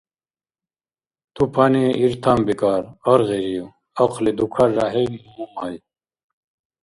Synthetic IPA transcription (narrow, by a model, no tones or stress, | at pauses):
t̪upʰaneiɾt̪ʰambikaːɾɐɾʁeɾiu | ɐqlid̪ukʰɐɾːaɦeniumumaj